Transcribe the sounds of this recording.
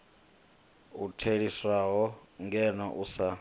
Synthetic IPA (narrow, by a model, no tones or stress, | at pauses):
utʰeɺiswaɦɔŋɡɛnɔʔusa